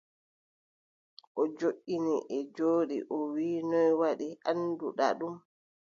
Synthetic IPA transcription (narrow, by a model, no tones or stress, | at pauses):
ʔɔd͡ʒoʔːiniʔɛd͡ʒoːɗḭʔɔwiːnɔjwaɗiʔanduɗa̰ɗum